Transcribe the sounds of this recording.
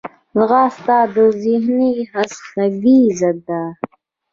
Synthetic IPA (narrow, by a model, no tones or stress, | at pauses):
zɣɑːst̪aːd̪əzihniɦasnɐviːzad̪a